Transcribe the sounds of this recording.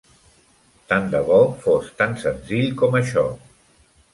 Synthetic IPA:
t̪and̪əβɔfost̪ansənziʎkɔməʃɔ

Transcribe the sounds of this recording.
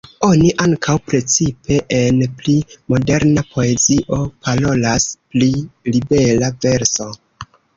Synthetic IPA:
o̞niʔaŋkʰawpɾe̞t͡sipe̞ʔenplimo̞de̞ɾnapʰo̞e̞ziʔo̞palo̞lasplilibe̞lave̞ɾso̞

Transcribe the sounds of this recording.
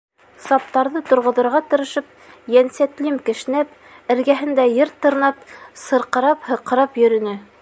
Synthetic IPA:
sɑp̚t̪ɑɾðɤt̪ŏɾʁŏðŏɾʁɑt̪ɤ̆ɾɤ̆ʃɤp̚ | jænsæt̪limkɘ̆ʃ̆næp | ɘ̆ɾɡæɦɘ̆nd̪æjɘɾt̪ɤ̆ɾnɑp̚sɤ̆ɾqɤ̆ɾɑphɤ̆qɤ̆ɾɑpjɵ̆ɾɵ̆nɘ

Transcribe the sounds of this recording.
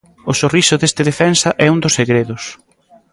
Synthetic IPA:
ʊsorisʊðest̪ɪðefɛnsɐʔɛũnd̪ʊsːeɣɾeðʊs

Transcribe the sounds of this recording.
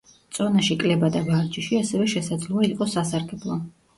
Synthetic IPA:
t̪sʼɔnaʃikʼlɛbad̪abaɾd͡ʒiʃiasɛvɛʃɛsad̪zlˠɔaiqʼɔsasaɾɡɛblˠɔ

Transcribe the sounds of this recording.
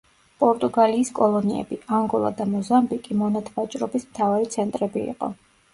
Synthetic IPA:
pʼɔɾt̪ʼuɡaliːskʼɔlˠɔniɛ̰biaŋɡɔlˠa̰d̪amɔzambikʼimɔnat̪ʰvat͡ʃʼɾɔbismt̪ʰavaɾit̪sʰɛnt̪ʼɾɛbiḭqʼɔ̰

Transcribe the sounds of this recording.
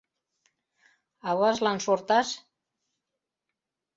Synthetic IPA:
aβazlansuɾt̪as

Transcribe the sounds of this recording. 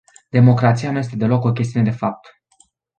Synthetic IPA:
d̪e̞mo̞kɾat̪sijanuje̞s̬t̪e̞d̪e̞lo̞ko̞kʲes̬t̪iune̞d̪e̞fap̚t̪

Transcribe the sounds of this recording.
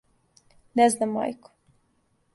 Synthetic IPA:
nɛznama̰jkʊ̥

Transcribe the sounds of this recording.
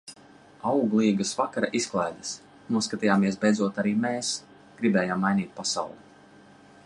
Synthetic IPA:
awɡlˠiːɡɨsvakaɾa̰ʔisklˠajd̪as | nuskat̪ijaːmiɛsbʲɛjd̪zuɔt̪aɾiːmɛːs | ɡ̥ɾibɛːjaːmːajnʲiːt̪̚pasa̰wlˠu

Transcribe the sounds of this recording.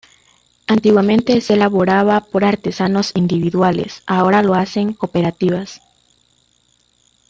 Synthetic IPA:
ant̪iɣwamẽ̞nt̪e̞selaβo̞ɾaβapo̞ɾaɾt̪e̞sano̞sind̪iβiðwale̞̰sao̞ɾalo̞ase̞ŋko̞pe̞ɾat̪iβas

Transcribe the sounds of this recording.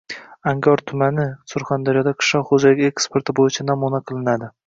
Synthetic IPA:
aŋɡɒɾt̪ʰʊmanɪsʊɾχand̪aɾijɒd̪aqʰɨ̥ʃlɒχod͡ʒalɪkʲe̞kspe̞ɾt̪ʰɪbojɪt͡ʃʰanamunaqʰɨlˠɪnad̪ɪ

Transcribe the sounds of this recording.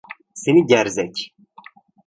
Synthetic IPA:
seniɟæɾzɛc

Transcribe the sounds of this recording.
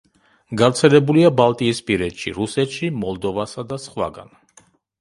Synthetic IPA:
ɡaɾt̪sʰɛlɛbuliabalˠt̪ʼiːspʼiɾɛt̪ʃḭɾusɛt̪ʃimɔlˠd̪ɔvasad̪asχwa̰ɡa̰n

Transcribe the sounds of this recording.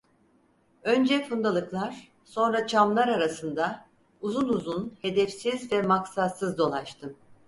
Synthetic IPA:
ø̞nd͡ʒɛfund̪alˠɯklˠaɾ̥ | so̞nɾat͡ʃʰamlˠaɾaɾasɯnd̪a | uzunuzunhe̞d̪ɛfsizvɛmaksasɯzd̪o̞lˠaʃt̪ʰɯm

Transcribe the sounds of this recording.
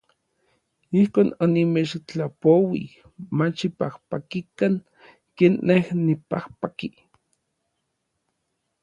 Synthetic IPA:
ihkoːnonimet͡ʃt͡ɬapowḭ | mat͡ʃipahpakikaŋ | keːnːehnipahpaki

